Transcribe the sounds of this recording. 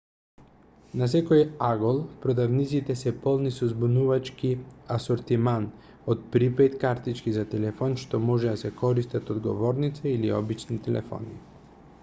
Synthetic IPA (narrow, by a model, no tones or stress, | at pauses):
nas̬ɛkojaɡolˠpɾod̪avnit̪sit̪ɛsɛpɔlˠnisɔzbunuvat͡ʃkiasoɾt̪iman | ot̪̚pɾipɛt̪kaɾt̪it͡ʃkizat̪ɛlɛfɔnʃt̪ɔmɔʒɛd̪asɛkɔɾist̪at̪od̪ɡɔ̰vɔɾnit̪sɛiliɔ̰bit͡ʃnit̪ɛlɛ̰fɔ̰ni